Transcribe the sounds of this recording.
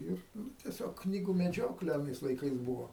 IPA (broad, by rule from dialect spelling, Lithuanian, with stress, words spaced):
ˈɪr ˈnʊ tʲɛˈsʲoːk ˈknʲiːɡʊ mʲɛˈd͡ʒʲoːklʲɛ ɐˈnɐɪs lˠɐɪˈkɐɪs ˈbʊʋoː